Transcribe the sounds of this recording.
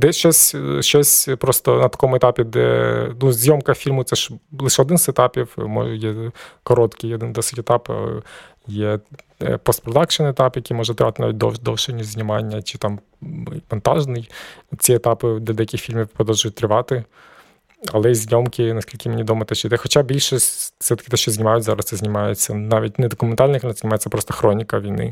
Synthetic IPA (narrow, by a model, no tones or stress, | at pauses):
d̪ɛʃt͡ʃɔsʲʃt͡ʃɔsʲpɾɔst̪ɔnɐt̪ɐ̥kɔmʊɛt̪ɑpʲid̪ɛ̰nuzʲnʲjɔmkɐfʲilʲmʊt̪ɛʃlˠɪʃɛɔd̪ɪnzɛt̪ɑpʲiwmɔ̰jɛkɔɾɔt̪kɪjɔd̪ɪnd̪ɔsɪtʲɛt̪ɑp | jɛ | pɔst̪pɾɔd̪ɑkʃɔnɛt̪ɑpjɐkʲijmɔʒɛt̪ɾɪʋɑt̪ɪna̰ʋʲit̚ʲd̪ɔd̪ɔwʃenʲːʊzʲnʲɪmɑnʲːɐt͡ʃɪt̪ɑm | mɔnt̪ɑʒnɪjt͡sʲiɛt̪ɑpɪd̪ɛɐd̪ɛjɐkʲɪxfʲilʲmɪwpɾɔd̪ɔwˠʒʊjʊt̚ʲt̪ɾɪʋɑt̪ɪ | ɐlˠɛizʲnʲɔmkɪnɐsʲkʲilʲkɪmenʲid̪ɔmɐt̪ɛʃt͡ʃɔt̪ɛxɔt͡ʃabʲilʲʃifsɛt̪ɐ̥kɪt̪ɛʃt͡ʃɔzʲnʲɪmɑjʊtʲzɑɾɐssɛzʲnʲɪmɑjet͡sʲːɐnɑʋʲit̚ʲnɛd̪ɔkʊment̪ɑlʲnfʲimnszʲnʲɪmɑjet͡s̪ʲːɐpɾɔst̪ɐxɾɔnʲikɐʋʲijnɪ̰